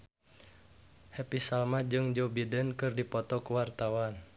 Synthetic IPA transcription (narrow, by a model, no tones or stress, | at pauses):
hɛpisalmad͡ʒɨŋd͡ʒɔbidənkɨrdipɔt̪ɔkuwart̪awan